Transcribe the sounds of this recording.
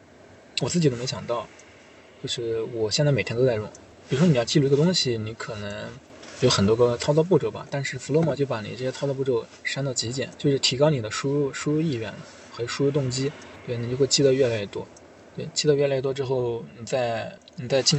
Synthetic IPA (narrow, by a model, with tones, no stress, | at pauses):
wɔ˨˩t͡sɹ̩˥˩i˨˩d̪o˥me˧˥ɕjɑ˨˩ŋt̪ɑ˥˩ʊ | t͡ɕjo˥˧ʊʂɻ̩˥˩wɔ˨˩ɕjnt͡sa˥˩e˨˩t̪ʰɛ˥t̪o˥ʊ˥t͡sa˥˧ɪɻʊ̰˥˩˦n | pi˨˩ɻʂwɔ˥i˨˩jɑ˥˧ʊt͡ɕi˥˧lu˧i˧˥ɡə˧t̪ʊ˥ŋɕi˨ni˧˥kʰɤ˨˩nɤ˧˥ŋ | jo˧˥ʊxə˨˩nt̪wɔ˥ɡə˧t͡sʰɑ˥ʊt͡sɑ˥˧ʊp̬u˥˩ʈ͡ʂɤ˨˩bɐ̰˩t̪a˥˧nʂɻ̩˥˩fu˧˥lwɔ˥˧mɑ˥˧t͡ɕjo˥˩ʊpa˧˥nḭ˨˩ʈ͡ʂɤ˥˩ɕjɛ˥t͡sʰɑ˥t͡sɑ˧pu˥˩ʈ͡ʂo˥˩ʊ | ʂa˥nd̪ɑ˥˩t͡ɕi˧˥t͡ɕjɛ̰˨˩˦nt͡ɕjo˥˧ʊʂɻ̩˥˩t̪ʰi˧˥kɑ˥ʊni˨˩d̪ə˦ʂu˥ɻu˥˧ʂu˥ɻu˥i˥˧ɥɛ̰˥˩nlə̰˩ | xɤ˧˥˨ʂu˥ɻu˥t̪ʊ˥˩ŋt͡ɕi˥t̪we˥˩ni˨˩t͡ɕo˥˧ʊxwɪt͡ɕʰi˥d̪ə˧ɥɛ˥˩la˧˥ɥɛ˥˩t̪wɔ˥ | t̪we˥˩ɪt͡ɕʰi˥˩d̪ə˧ɥɛ˥˩la˧˥ɥɛ˥˩t̪wɔ˥ʈ͡ʂɻ̩˥xo˥˩ʊni˨˩t͡sa˥˩ɪ | ni˨˩t͡sa˥˧ɪt͡ɕi˥˧